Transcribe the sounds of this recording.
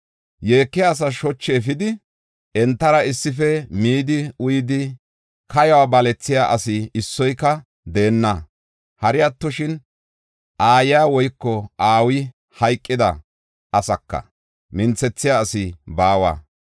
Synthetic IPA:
jeːkːɪaːs̬ɐʃɔt͡ʃːeːfɪd̪ɪ | ɛnt̪ːɐɾɐɪsːɪfɛmiːd̪ɪʊjɪd̪ɪ | kʰɐjɐwabɐlɛt͡sːɪjaːʔɐsɪɪsːɔjkːɐ | d̪eːnːɐ | hɐɾɪjɐt̪ːɔʃɪn | ʔaːjɪjaːwɔjkːɔaːwɪ | hɐjkʼːɪd̪ɐ̰ | ʔɐsɐkːɐ̰ | mɪnt͡sɛt͡sːɪjaːsɪbaːwa̰ː

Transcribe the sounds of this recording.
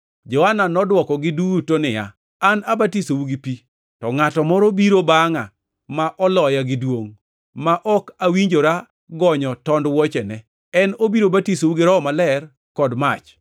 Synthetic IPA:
d͡ʒɔhananɔdwɔkɔɡɪduɡutonɪja̰ | anabatisowuɡɪpi | tɔŋatɔmɔɾobiɾobaŋa̰ | maʔɔlɔjaɡɪdwoŋ | maʔɔkawiɲd͡ʒoɾa | ɡɔɲɔtɔndwɔt͡ʃɛnɛ | ɛnobiɾobatisowuɡɪɾɔːmalɛr | kɔdmat͡ʃ

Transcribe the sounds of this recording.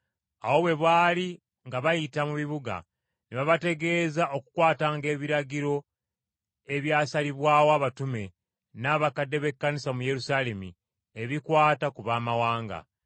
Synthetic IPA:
a̰wo̞βwe̞βwaːli | ŋɡaβajitamuβiβuɡa̰ | neβaβate̞ɡe̞ːzaʔo̞kukwaːtaːŋɡe̞ːβiɾaɡiɾo̞ | e̞βjaːsaliβwaːwoaβatume̞ | naːβakadːe̞βe̞kːanisamuje̞ɾusaːle̞mḭ | e̞βikwaːtakuβaːmawaːŋɡa̰

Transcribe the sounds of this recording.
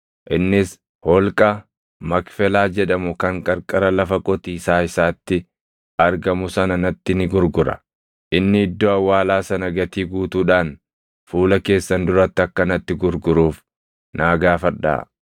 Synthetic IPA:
ʔɪnːɪs | hɔlkʼɐ | mɐkfɛlaːd͡ʒɛᶑɐmʊkɐŋkʼɐɾkʼɐɾɐlɐfɐkʼɔt̪iːsaːɪsaːt̪ːɪ | ʔɐɾɡɐmʊsɐnɐnɐt̪ːɪnɪɡʊɾɡʊɾɐ̰ | ʔɪnːɪɪd̪ːoːɐwːaːlaːsɐnɐɡɐt̪iːɡuːt̪uːᶑaːn | fuːlɐke̞ːsːɐnd̪ʊɾɐt̪ːɪɐkːɐnɐt̪ːɪɡʊɾɡʊɾuːf | naːɡaːfɐᶑːa̰ː

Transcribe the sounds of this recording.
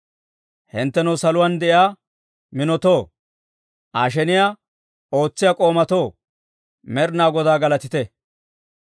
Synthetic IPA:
hɪnt̪ːɛnɐwsɐlʊwand̪ɛʔɪaː | mɪnɔt̪o̞ː | ʔaːʃ̬ɛnɪjaː | oːt͡sːɪjakʼo̞ːmɐt̪oː | mɛɾnaːɡɔd̪aːɡɐlɐt̪ɪt̪ɛ

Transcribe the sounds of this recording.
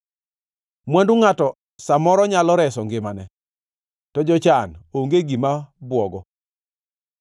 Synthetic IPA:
mwanduŋatɔ | samɔɾɔɲalɔɾɛsɔŋɡɪmanɛ | tɔd͡ʒɔt͡ʃanoŋɡeɡimabwɔɡɔ

